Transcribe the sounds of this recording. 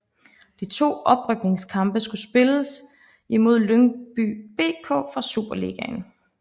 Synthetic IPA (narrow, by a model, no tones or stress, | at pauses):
d̥it͡sʰo̝̰ːɒ̽b̥ʁœɡ̥̚ne̝ŋskʰɑ̈mb̥əsɡ̥usb̥e̝ləs | imo̝ð̞̰ˠløŋb̥y̰b̥e̝̰ːkʰɔ̰̽ːfʁɑ̈sṵb̥ɐlḭɡ̥æn